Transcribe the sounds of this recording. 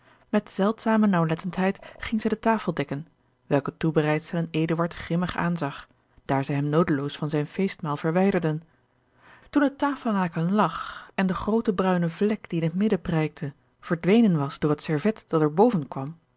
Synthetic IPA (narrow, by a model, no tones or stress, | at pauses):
mɛtz̥ɛlˠtsaːmənɑwlɛtəntɦɛjtχɪŋzɛjdətaːfəlˠdɛkən | ʋɛlˠkətubərɛjtstɛlənejdəʋɑɹtχrɪməχa̰ːnzɑχ | d̥aːɹzɛjɦɛmnowdəlowsfɑnzɛjnfejstmaːlˠv̥əɹʋɛjdəɹdən | tundətaːfəl̩ˠnaːkənlɑχɛndəχrowtəbrœɥnəvlɛkd̥iɪnɦətmɪdəprɛjk̚tʰə | v̥əɹdʋejnənʋɑsd̥ʊːɹɦətsɛɹvɛtd̥ɑtɛɹbowvənkʋɑm